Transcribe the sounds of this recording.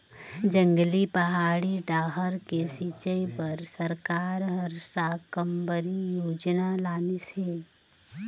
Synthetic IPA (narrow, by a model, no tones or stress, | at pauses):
d͡ʒə̃ŋɡlipɐɦaːɽiɖaːɦəɾkesiːt͡ʃəipəɾsəɾkaːɾɦəɾsakəmbəɾijoːd͡ʒnalaːniseː